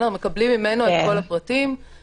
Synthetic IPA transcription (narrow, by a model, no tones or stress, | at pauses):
ame̞kablimːimenoeko̞lapʁatim